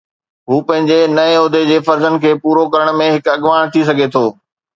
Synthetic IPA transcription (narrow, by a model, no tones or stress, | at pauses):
ɦuːpɐ̃ɦɪ̃ɲd͡ʑenɐeʊd̪ʱed͡ʑeːfɐɾzənɪ̆kʰeːpuːɾokɐɾəɽ̃mẽɦɪkɐɠʋaːɽ̃t̪ʰis̬ɐɡʱet̪ʰoː